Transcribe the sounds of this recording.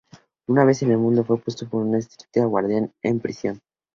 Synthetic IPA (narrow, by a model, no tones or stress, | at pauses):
unaβ̞e̞se̞ne̞lmũnd̪o̞fwepwe̞st̪o̞po̞ɾunaest̪ɾi̥t̪eaɣwaɾð̞janḛmpɾisjo̞n